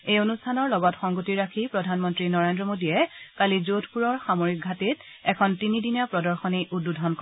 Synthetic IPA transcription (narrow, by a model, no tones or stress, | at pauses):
ejonustʰanɔɹlɔɡɔtxɔŋɡotiɹakʰipɹɔdʱanmɔntɹinɔɹendɹɔmodijɛkalizotʰpuɹɔɹxamoɹik̚ɡʱatitɛkʰɔntinidinjapɹɔdɔɹxɔnejʔududʱɔnkɔ